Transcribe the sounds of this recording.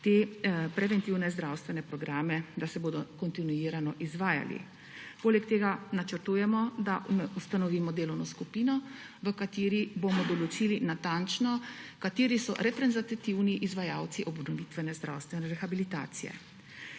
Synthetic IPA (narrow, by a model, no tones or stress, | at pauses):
t̪epɾɛʋɛnt̪iwnɛzd̪ɾawst̪ʋɛnɛpɾɔɡɾaːmɛd̪asɛboːd̪ɔkɔnt̪inujiːɾanɔʔizʋaːja̰lḭ | poːlɛkt̪eːɡanat͡ʃəɾt̪uːjɛmɔd̪amɛust̪anɔʋiːmɔd̪eːlɔwnɔskupiːnɔ | ʋəkat̪iːɾibomɔd̪ɔlɔt͡ʃilinat̪ant͡ʃnɔkat̪iːɾisɔ̰ɾɛpɾɛnzat̪t̪iwniʔizʋajaw̪siʔɔbnɔʋit̪ʋɛnɛzd̪ɾa̰wst̪ʋɛnɛɾɛxabilit̪a̰ːt̪sijɛ̰